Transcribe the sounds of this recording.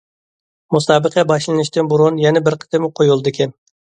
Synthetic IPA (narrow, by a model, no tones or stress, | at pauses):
musɑːbəqʰɛbɑʃlˠɨnɪʃt̪ɪnbuɾunjɛnɛbɪɾqʰə̥t̪ʰɪmɪqʰojulˠd̪ɨkʲʰɛm